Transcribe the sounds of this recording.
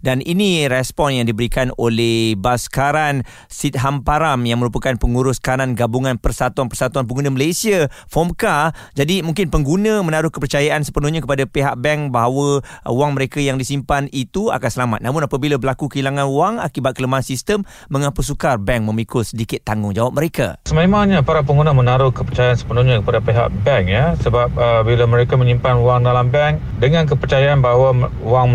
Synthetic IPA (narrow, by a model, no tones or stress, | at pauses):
daniniɾɛspɔnjaŋdibəɾikanolɛhbaskaɾan | sit̪̚ɦampaɾamjaŋməɾupakanpəŋuɾʊskaɾanɡabuŋãnpərsat̪uanpərsat̪uanp̬əɡunə̃məlasiafɔmkad͡ʒadimũŋkɪnpəŋɡunə̃mə̃naɾʊhkəpərt͡ʃajaʔansə̥pənuhɲãkəpadapeɦaʔ̚bɛŋbaɦawəuaŋməɾekajaŋdisimpanit̪ua̰kansəlama̰t̪̚namʊnapabilabəlakukəilaŋãnwaŋa̰kibat̪̚kələmaansist̪əmː | ə̃ŋapusukarbɛŋmə̃mikʰosədikɪt̪ːaŋʊŋd͡ʒawap̚məɾeka̰səmemaɲapaɾapəŋɡunamənaɾʊhkəpərt͡ʃajaansə̥pənuhɲakəpadapeɦa̰ʔ̚bɛŋjasəbap̚əbilaməɾekaməɲimpanuwaŋdalambɛŋk | dəŋank̬əpərt͡ʃajaʔanbaɦawa | uwaŋ